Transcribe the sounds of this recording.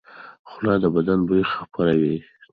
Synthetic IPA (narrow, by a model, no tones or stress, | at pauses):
xʊlɑd̪əbad̪anbujxapaɾawi